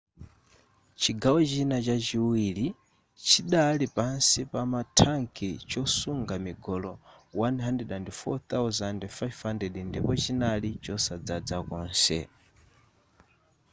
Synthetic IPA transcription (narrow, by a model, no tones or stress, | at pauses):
t͡ʃʰiɡawɔt͡ʃinat͡ʃat͡ʃiwili | t͡ʃʰiɗalipansipamatʰaŋkʰit͡ʃɔsuŋɡamiɡɔlɔwanɦandɛɗandfɔt̪awzandɛfajvhandɛɗindipɔt͡ʃinalit͡ʃɔsad͡zad͡zakɔːnsɛ̰